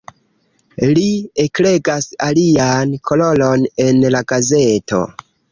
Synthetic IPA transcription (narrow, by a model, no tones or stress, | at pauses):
liekle̞ɡasaliankʰolo̞lo̞ne̞nlaɡaze̞to̞̰